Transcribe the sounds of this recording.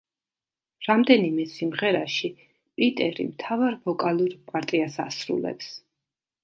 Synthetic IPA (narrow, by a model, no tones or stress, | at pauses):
ɾamd̪ɛnimɛsimʁɛɾaʃi | pʼit̪ʼɛɾḭmt̪ʰavaɾvɔkʼalˠuɾpʼaɾt̪ʼiasa̰sɾṵlɛ̰ps